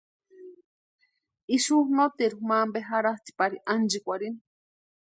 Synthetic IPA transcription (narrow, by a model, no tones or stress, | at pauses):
iʃuhnot̪iɾumaːmbeɦaɾat̪i̥paɾiʔand͡ʒikʷaɾini